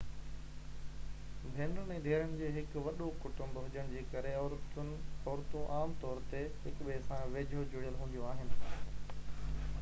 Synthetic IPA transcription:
bʱeːnʊɛ̃ːd̪ʱeːɾəɽ̃d͡ʑeːɦɪkʋɐɗokʊʈʊ̃mbɦʊd͡ʑəɽ̃d͡ʑeːkɐɾe | ɔːɾt̪ũʔaːmt̪ɔːɾt̪eɦɪkɓesãʋeːd͡ʑʱod͡ʑʊɽijəlɦũːn̆d̪ijõaːɦɪnɪ̆

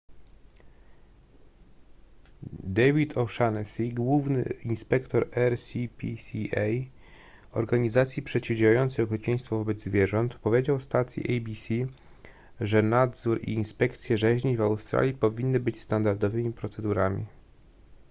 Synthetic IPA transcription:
d̪ɛvʲit̪ʰɔʂanɛsʲiɡwuvnɘ̰inspɛkt̪ɔɾɛɾsʲipʲisʲiɛj | ɔ̰ɾɡaɲizat̪sʲipʂɛt͡ɕivd͡ʑjajɔnt̪sɛjɔxɛt͡ɕɛj̃st̪fɔvɔbɛd̪zvʲjɛʐɔnt̪pɔvʲjed͡ʑawfst̪at̪sʲjḭʔɛjbʲisʲi | ʐɛnad̪zuɾḭːnspɛkt̪sʲjɛʐɛʑɲivawst̪ɾa̰lʲjipɔvʲinːɘbɘt͡ɕst̪and̪aɾd̪ɔvɘmʲipɾɔt̪sɛd̪uɾamʲḭ

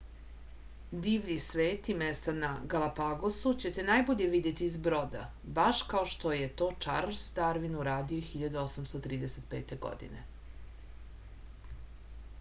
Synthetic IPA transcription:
d̪iːʋʎisʋeːt̪imest̪anaɡalapaɡosut͡ɕet̪e̞najboʎeʋid̪je̞t̪iːzbɾo̞d̪a̰ | baʃkaoʃt̪o̞jet̪o̞ːt͡ʃaɾsd̪aɾʋinuɾaːd̪ioxiʎad̪uosamst̪ot̪ɾiːd̪eset̪pḛːt̪eɡo̰d̪ḭnḛ

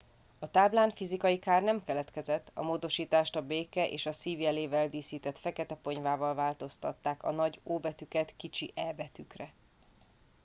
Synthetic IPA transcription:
ɒt̪aːblaːnfizikɒjikaːrnɛmkɛlɛt̪kɛzɛt̪ːɒ̰moːd̪o̞ʃiːt̪aːʃt̪ɒbeːkɛʔḛːʃɒsiːvjɛleːvɛld̪iːsiːt̪ɛt̪fɛkɛt̪ɛpo̞ɲvaːvɒlvaːlt̪o̞st̪ɒ̰t̪ːaːkɒ̰nɒɟoːbɛt̪ykɛt̪kit͡ʃiʔɛbɛt̪ykrɛ

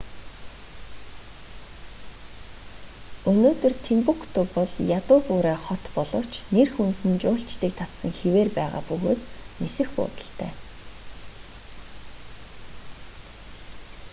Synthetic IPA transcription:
ɵnoːt̪ɵ̆rt̪ʰimpukt̪ʰʊːpɔɮjat̪ʊːpʊːɾaːχɔt̪pɔɮɞ̆w̥t͡ɕnerxunt̪ɘ̆nt͡ɕʊːɬt͡ɕt̪iːk̚t̪ʰat̪sə̆ŋxeweːrpæːʁa̰ːpɵɣoːt̪nesɘ̆xpʊ̰ːt̪ə̆ɬt̪ʰæ̰ː

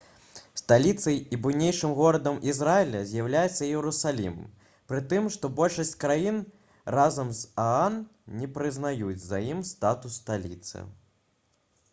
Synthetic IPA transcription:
st̪alʲit̪sɐjibujnʲejʂɨmɣɔɾɐd̪ɐmʔizɾajɛlʲɐzʲjawlʲajɛt̪sːɐjɛwɾusalʲḭm | pɾɨt̪ɨmʂt̪ɔbɔlʲʂɐsʲt͡sʲkɾajin | razɐmzaannʲɛpɾɨznajud͡zʲzajimst̪at̪ust̪alʲḭt̪sɨ̰

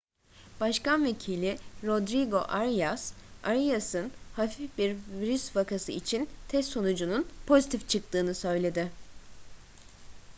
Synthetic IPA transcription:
b̥aʃkanve̞cʰilʲiɾo̞d̪ɾiɡo̞̰ʔaɾjasaɾijasɯnhafifbiɾviɾysvakasɯit͡ʃʰint̪ʰɛst̪ːo̞nud͡ʒununpʰo̞zit̪ʰift͡ʃʰɯk̚t̪ʰɯːnɯsø̞jlʲe̞d̪ɪ

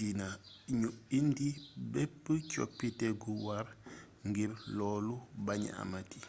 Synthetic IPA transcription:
ina | ɲuindibɛpːəco̰pːitɛɡuwar | ŋɡiɾlɔːlubaɲ̰a̰mati

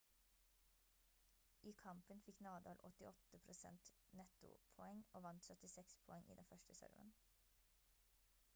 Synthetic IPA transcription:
ʔiːkʰɑmpənfɪknɑːd̪ɑ̰ːlʔɔt̪ɪʔɔt̪əpʰɾʊsɛ̰nt̪nɛt̪ʊ̰pʰɔɛŋoːʋɑnt̪sœt̪ɪsɛkspʰɔɛŋʔḭːd̪ɛnfœʃʈəsœ̰ɾmə̰n

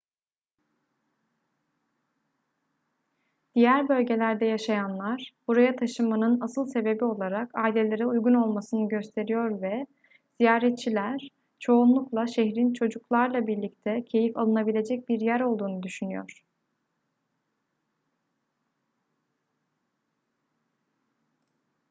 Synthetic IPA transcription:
d̪̥ijæɾbø̞lʲɟe̞lʲæɾd̪ɛjaʃajanlˠaɾ̥buɾajat̪ʰaʃɯmanɯnasɯlˠse̞be̞bio̞lˠaɾakaːilʲe̞lʲe̞ɾɛujɡuno̞lˠmasɯnɯɟø̞st̪ʰe̞ɾijo̞ɾvɛ | z̥ijaːɾɛt̪̚t͡ʃʰilʲæɾ̥ | t͡ʃʰo̞unlˠuklˠaʃɛɦɾint͡ʃʰo̞d͡ʒuklˠaɾlˠabiɾlʲic̚t̪ʰɛcʰe̞jifalˠɯnabilʲe̞d͡ʒɛc̚biɾjæɾo̞lˠd̪uːnud̪yʃynyjo̰ɾ̥

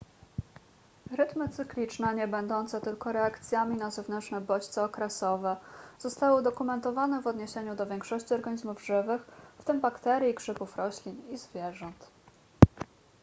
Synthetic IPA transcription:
ɾɘt̪mɘt̪sɘklʲit͡ʂnɛɲɛbɛnd̪ɔnt̪sɛt̪ɘlkɔɾɛakt̪sʲjamʲinazɛvnɛnt͡ʂnɛbɔt͡ɕt̪sɛɔkɾɛsɔvɛz̥ɔst̪awɘd̪ɔkumɛnt̪ɔvanɛvɔd̪ɲeɕeɲud̪ɔvʲjɛŋkʂɔɕt͡ɕiɔɾɡaɲizmuvʐɘvɘxft̪ɘmbakt̪ɛɾʲjikʂɘpufɾɔɕlʲinizvʲjɛʐɔnt̪

